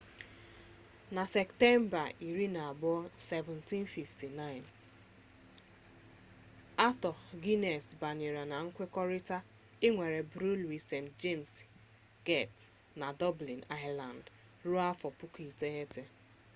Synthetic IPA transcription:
na˨sɛ˨kte˦m̩˦ba˨i˨ɾi˦na˨a˨bɔ˦se˨vɛ˨nti˦nfi˨fti˨na˦˨ɪ˨n | a˦tɔ˨ɡi˦ne˨sba˨ɲe˨ɾa˨na˨ŋ̩˦kʷe˦kɔ˦ɾi˦ta˦ | ɪ˦ŋʷe˨ɾe˨bɾu˦lwi˨se˨md͡ʒe˦ms | ɡe˦˨t | na˨dɔ˦bli˨na˦ɪla˨nd | ɾu˦a˦fɔ˨pʊ˦ki˨te˦e˦te˨

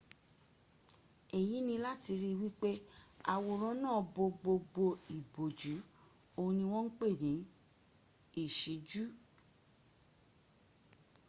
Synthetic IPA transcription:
e˨ji˨˦nĩ˧la˦ti˧ɾi˦wi˦k͡pe˦a̰˧˨wo˧˨ɾ̃ɔ̃˦nãː˦˨bo˧ɡ͡bo˧ɡ͡bo˧i˨bo˨d͡ʒu˨˦ | o˧nĩ˧w̃ɔ̃˦ŋ̩˦k͡pe˦˨nĩ˨˦ | i˦˨ʃi˨˦d͡ʒu˦

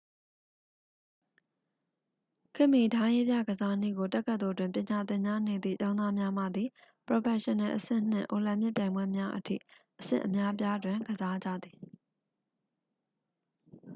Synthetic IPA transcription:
kʰɪ˦˨mi˨tʰã˦je˦bja˦˨ɡəza˦n̥ḭ˦˨ɡo˨tɛ˦ʔkʰːə˦t̪o˨twɪ̃˨mpjɪ̃˨ɲa˨t̪ɪ̃˨ɲa˦ne˨d̪ðḭ˦˨t͡ɕã˦ʊ̃na˦mja˦ma̰˦˨d̪i˨ | pɹo˨pɛ˨ʃɪ̃˨nɛ˨ʔəsɪ̰̃˦˨n̥ɪ̰̃˦˨ʔo˨lã˨mɪ˦ʔpjã˨ɪ̃mbwɛ˦mja˦ʔətʰḭ˦˨ | ʔəsɪ̰̃˦˨ʔəmja˦p̬ja˦dwɪ̃˨ɡəza˦d͡ʑä̰˦˨d̪ði˨

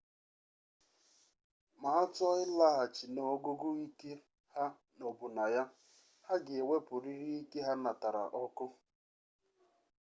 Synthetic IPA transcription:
ma˨a˦tɔ˦ɪ˦la˦ɦa˨t͡ʃi˨no˨˦ɡʊ˦ɡʊ˦i˦ke˦ | ha˦ | no˨bʊ˨na˨ja˦ | ha˦ɡɪ˨e˨wʷe˦pʊ˨ɾi˦ɾi˦i˦ke˦ɦa˦na˨ta˨ɾa̰˨ʔɔ˦kʊ˦

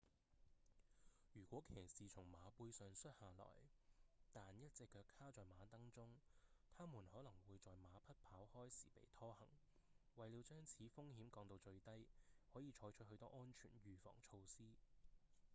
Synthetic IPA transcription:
jyː˨˩kʷɔː˨˥kʰɛː˨˩ksiː˨t͡sʰʊ˨˩ŋmaː˨˧puː˧jsœː˨˧ŋsɵ˥t̚haː˨lɔ̰ː˨˩jt̪aː˨njɐ˦˥t̚t͡sɪ˨kʰːœː˧kʰaː˥t͡sɔː˨˩jmaː˨˧t̪ɐ˥ŋt͡sʊ˥ŋt̪ʰaː˥muː˨˩nhɔː˨˥lɐ˨˩ŋwuː˨˧jt͡sɔː˨jmaː˨˧pʰɐ˥t̚pʰaː˨˥whɔː˥jsḭː˨˩pḛ˨˩jt̪ʰɔː˥hɐ̰˨˩ŋ | wɐ˨jli˨˧wt͡ʃœː˥ŋt͡sʰiː˨˥fʊ˥ŋhiː˨˥mkɔː˧ŋt̪o˧wt͡ʃɵ˧ɥt̪ɐ˥jhɔː˨˥jiː˧t͡ʃʰɔː˨˥jt͡ʃʰɵ˥t̚hɵ˧ɥt̪ɔː˥ʔɔː˥nt͡ʃʰy̰ː˨˩nɥyː˨˩fɔ̰ː˨˩ŋt͡ʃʰo˧wsiː˥

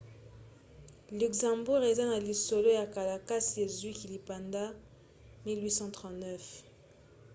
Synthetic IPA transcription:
ly˨kzɑ̃˨mbu˦ʁe˨za˦na˨li˨so˨lo˦ja˨ka˨la˨ka˦si˨e˨zwi˦ki˨li˨pa˨nda˦ | mi˦lwi˦sɑ̃˦t̪χɑ̃˨tnɛ˦f

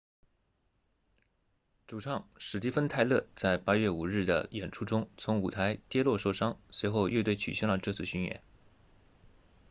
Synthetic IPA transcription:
ʈ͡ʂu˨˩ʈ͡ʂʰɑ˥˩ŋʂɻ̩˨˩t̪i˥˩fə˥nt̪ʰa˥˧ɪlɤ˥˧t͡sa˥˩ɪpa˥ɥɛ˥˩u˨˩ɻɻ̩˥˩d̪ə̰˩jɛ˨˩nʈ͡ʂʰu˥ʈ͡ʂʊ˥ŋt͡sʰʊ˧˥ŋu˨˩t̪ʰa˧˥ɪt̪jɛ˥lwɔ˥˧ʂo˥˧˩ʊʂɑ˥ŋswe˧˥ɪxo˥˧ʊje˥˧t̪we˥˩ɪt͡ɕʰy̰˨˩ɕjɛ˥nlə˩ʈ͡ʂɤ˥˧t͡sʰɹ̩˥˧ɕy˥nɥɛ̰˥˦n

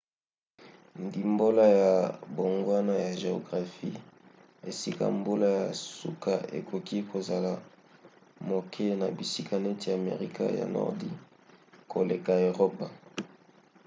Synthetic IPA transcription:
ndi˨mbo˦la˦ja˨bo˨ŋɡwa˦na˦ja˨ʒe˨o˨ɡʁa˨fi˦ | e˨si˦ka̰˦mbo˦la˦ja˨su˦ka˦ḛ˨kʰo˨ki˦kʰo˨za˨la˨ | mo˨kʰe˦na˨bi˨si˦ka˦ne˦ti˦a˨mḛ˨ʁi˦ka̰˦ja̰˨nɔ̰˦ʁdḭ˦ | ko˨le˨ka˨e˨ʁo˦pa˨

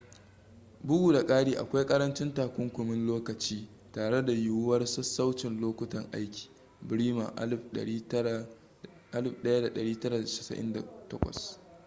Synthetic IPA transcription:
bʊ˦ɡu˦˨da˨kʼaː˦ɽiː˦ʔa̰˨kʷa˦jkʼɐ˦ɾɐ˦nt͡ʃɪ˦ntaː˨kʷʊ˦ŋkʷʊ˨mɪ˦nloː˦kɐ˨t͡ʃiː˦ | taː˨ɽe˦da˨jʊ˦wwɐ˦rsɐ˦sa˦wt͡ʃɪ˨nloː˦kʷʊ˦tɐ˨ŋʔa˦jkʲi̥ː˨ | bɪ˨ɾiː˦ma̰ː˨˦˨ | ʔa˦lɪ˦˨ɸɗɐ˦ja˦da˨ɗɐ˨ɽiː˦tɐ˦ɾaː˨da˨ʃɪ̥˨sɐ̰˨ʔɪ̰˦nda̰˨tɐ˦kʷɐ̰˨s

